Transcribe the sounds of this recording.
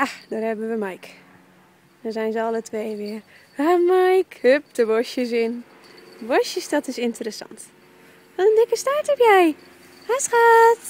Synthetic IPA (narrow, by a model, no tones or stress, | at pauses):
jadɔːrhɛbənʋəmajk | dɔnzɛjnzəɑlətʰʋeːʋɪər | amajkhøp̚dəʋoʃjəs̬ɪn | bosjəsdɔtɪsɪntərəsɑ̰nt | ʋɔnəndɪkəstartɛpjɛj | hasxat